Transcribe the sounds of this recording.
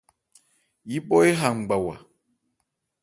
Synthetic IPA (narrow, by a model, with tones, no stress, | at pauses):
ji˦ɓɔ˦e˦ɦa˨ŋ͡m̩˨ɡ͡ba˨wa̰˨